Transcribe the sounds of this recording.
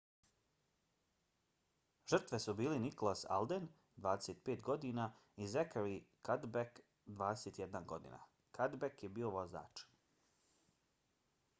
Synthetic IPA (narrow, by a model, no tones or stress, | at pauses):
ʒər̩t̪ʋe̞subiːlenikolˠasa̰lˠd̪en | d̪ʋaːd̪eset̪̚peːt̪ɡo̞d̪inaizekaɾikad̪bek | d̪ʋaːd̪ese̞t̪jed̪nanɡo̞̰d̪ḭːna̰ | kʰad̪bekjebiːo̞ʋo̞za̰ːt͡ʃ